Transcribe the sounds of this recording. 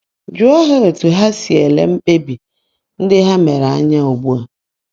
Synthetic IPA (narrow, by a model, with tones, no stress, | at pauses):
d͡ʒʊ˦ɔ˦ɦɛ˦ɾe˨tʰʊ˨ɦa˦si˨ɛ˨lɛ̰˦m̩˦k͡pe˦bi˨ | n̩˦dɪ˦ɦa˦mɛ˨ɾa˨a˦ɲã˦o˨bu˦a˨